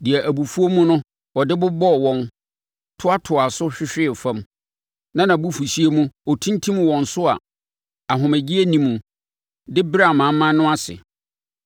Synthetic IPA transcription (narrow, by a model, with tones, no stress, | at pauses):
di˨æ˨ʔæ˨bu˨fu˦o˦mũ˦nʊ̃˦ | wɔ˨dɪ˦bʊ˦bɔ˦˨wɔ̃˦n | tʰʊ˦a˦tʰʊ˨a˨sʊ˦ɕᶣɪ˦ɕᶣɪ˦˨fã˦m | nã˦nã˨bu˦fu˨ɕi˦e˦mũ˦ɔ˨tʰĩ˦ntʰĩ˦m˨wɔ̃˨n̩˨sʊ˦a̰˨ | a˨ɦʊ̃˨mæ˨d͡ʑi˦æ˦nĩ˨mũ˨ | dɪ˦bɪ˦ɾa˨mã˨˦mã˦n˦nʊ̃˦a˦sɪ̰˨